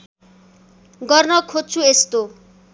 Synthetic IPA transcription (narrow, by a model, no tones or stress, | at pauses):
ɡʌrnʌkʰod̚t͡sʰuest̪o